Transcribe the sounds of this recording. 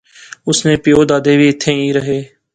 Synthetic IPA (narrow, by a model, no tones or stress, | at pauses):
ʊsnẽːpɪjoːd̪aːd̪eːʋʱiːɪt̪ʰːẽːiːɾəɦeː